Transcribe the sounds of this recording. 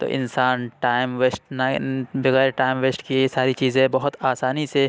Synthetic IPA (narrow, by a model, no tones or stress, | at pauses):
t̪o̰ːʔɪ̰̃nsaːnʈaːɪmʋeːsʈnabɐɣɛːɾʈaːɪmʋeːsʈkisaːɾit͡ʃiːzẽɛ̃bɐɦʊt̪aːsaːnise